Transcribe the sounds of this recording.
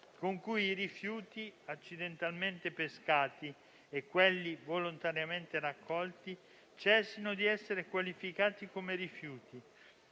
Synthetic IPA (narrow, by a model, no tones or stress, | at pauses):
koŋkujiɾifjuːt̪iat͡ʃːid̪ent̪alment̪epeskaːt̪i | ekːwelːivolont̪aɾjament̪eɾakʰːɔlt̪i | t͡ʃɛsinod̪iɛsːeɾekwalifikaːt̪ikomeɾifjuːt̪i